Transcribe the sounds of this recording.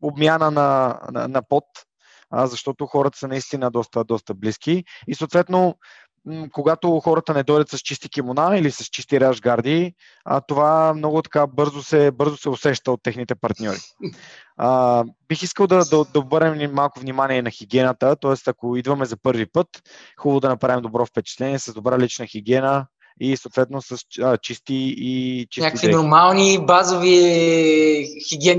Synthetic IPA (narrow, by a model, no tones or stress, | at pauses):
obmjanənɐn̰nɐpɔt̪ | əzɐʃt̪ɔt̪oxɔɾət̪ə̥sɐnɐist̪inəd̪ɔst̪əd̪ɔst̪əblisk̟iisoːt̪vɛt̪no | koɡat̪oxɔɾət̪ənɛd̪ɔjd̪ət̪sɐst͡ʃist̪ikimonailisɐst͡ʃist̪iɾaʒɡaɾd̪i | ə̰t̪ovamnɔɡʊt̪ɐ̥kabɤɾzosɛbɤɾzosɛosɛʃt̪əot̪ːɛxnit̪ɛpɐɾt̪nʲɔɾi | əbixiskəlˠd̪ɐd̪ɐd̪ɐobɤɾnɛmnimːalˠkovnimaniɛnɐxiɡʲiɛnət̪ət̪ɔɛst̪ɐkoid̪vɐmɛzɐpɤɾvipɤt̪xubəvod̪ɐnɐpɾavimd̪obɾɔfpɛt͡ʃɛ̥t̪lɛniɛsɐzd̪obɾalit͡ʃnəxiɡ̟ʲiɛnə | isoːt̪vɛt̪nosəsət͡ʃist̪iːt͡ʃi̥nʲak̪vinoɾmalˠnibazovi | xiɡʲiɛn